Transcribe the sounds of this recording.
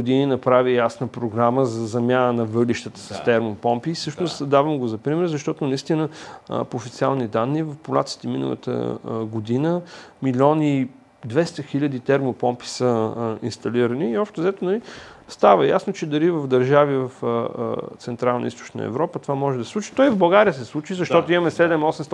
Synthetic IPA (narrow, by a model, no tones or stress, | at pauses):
d̪ininɐpɾavijasnəpɾoɡɾaməzɐzɐmʲjanənɐvɤliʃt̪ət̪ə̥sɐst̪ɛɾmopɔmpisɤʃnost̪d̪avəmɡozɐpɾimɛɾzɐʃt̪ɔt̪onɐist̪inə̰poːfit̪sialˠnid̪anːivɐfpolˠa̰t̪si̥t̪ɛminə̰lˠə̰t̪ə̰ɡod̪inəmilʲɔni | d̪vɛst̪əxilʲəd̪it̪ɛɾmopɔmpi̥səḭnst̪ɐliɾəniːɔpʃt̪ɛzɛt̪onɐlist̪avəjasnot͡ʃɛd̪ɐɾivɐvd̪ɐɾʒavivɐf | t̪sɛnt̪ɾalˠnə̰ḭst̪o̥t͡ʃnə̰ɛ̰vɾɔpət̪ovamɔʒɛd̪ɐsslˠut͡ʃi̥t̪ɔivvbɐlˠɡaɾijəsɛslˠut͡ʃizɐʃt̪ɔt̪oimɐmɛsɛd̪ɛmɔsɛmst̪